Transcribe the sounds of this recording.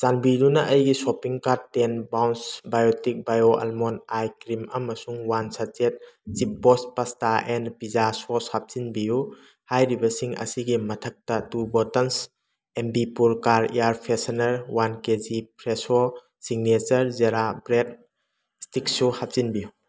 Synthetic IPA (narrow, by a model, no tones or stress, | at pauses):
zanbidunɐʔɐjɡisopiŋkaɾtːenbawnsbajotik̚bajoʔɐ̰lmonajkɾimɐmɐsuŋwansat͡ʃet̚t͡ʃip̚bɔspastaʔɛnpizasoshap̚zinbiju | hajɾibɐsiŋɐ̰siɡimɐtʰɐk̚tɐtubɔtɐns | embipuɾkaɾiaɾpʰesanɐɾwankezipɾeso | siŋnet͡ʃɐɾzeɾabɾet̚ | stik̚suhap̚zinbiju